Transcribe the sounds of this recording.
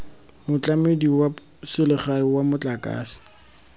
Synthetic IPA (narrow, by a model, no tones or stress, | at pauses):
mʊt͡ɬʼamediwa | sɪlɪχaiwamʊt͡ɬʼakʼa̰ːsɪ̥